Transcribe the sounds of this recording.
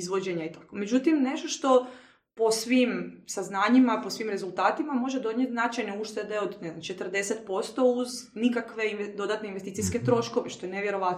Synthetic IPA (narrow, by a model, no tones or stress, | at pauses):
izʋod͡ʑeɲait̪ḁkome̞d͡ʒut̪imne̞ʃt̪o̞ʃt̪o̞ | po̞sʋimsaznaːɲimaposʋimɾe̞zult̪aːt̪imamo̞ʒed̪o̞d̪ɲjet̪znat͡ʃajneuʃt̪e̞d̪e̞od̪nezamt͡ʃe̞t̪rd̪e̞set̪po̞st̪o̞uznikakʋe̞inʋed̪o̞d̪at̪ne̞inʋest̪it̪ijske̞t̪ɾo̞ʃko̞ʋeʃt̪o̞eneʋjeɾo̞ʋat̪